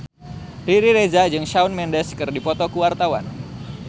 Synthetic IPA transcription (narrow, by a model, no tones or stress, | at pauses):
riɾiɾezad͡ʒɨŋʃaunmɛndɛskɨrdipɔt̪ɔkuwart̪awa̰n